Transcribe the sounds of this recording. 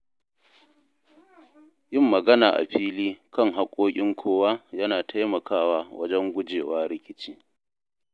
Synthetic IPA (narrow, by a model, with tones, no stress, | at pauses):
jɪ˦˨mːɐ˨ɡɐ˦naː˨ʔa̰˨ɸiː˦liː˦kɐ˦ŋɦa˦kʷʼoː˦kʲʼɪ˦ŋkʷʰoː˦waː˦jɐ˦naː˨tʰa˦jmɐ˨kaː˦waː˦wɐ̰˦d͡ʒɛ˦ŋɡʷʊ˦d͡ʒeː˨waː˦ɾɪ˦kʲɪ˦t͡ʃiː˦